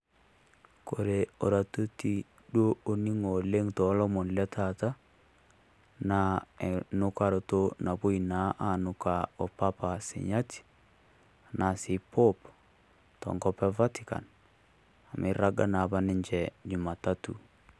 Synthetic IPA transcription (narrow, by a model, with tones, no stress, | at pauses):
ko˨ɾe˨o˨ɾa˨to˦ti˨ | ɗwo˦o˨ni˦ŋo˨le˦ŋtɔ˨˦lɔ˦mɔ˨nlɛ˦tʰa˨ta˦ | na˨e˨nʊ˦ka˦˨ɾo˨to˦na˨bo˦i˨na˦ʔa˨nʊ˨ka˨ɔ˨pa˦pa˨sɪ̰˨ɲa˦ti̥˨ | na˨si˨po˦p | tɔ̰˨ŋɡɔ˦pɛ˦va˦tika̰˨n | a˨mɪ̰˨ɾa˦ɡa˦na˨ba˦nɪ˦ɲd͡ʒɛ˨ɲu˨ma˨ta˦tṵ˨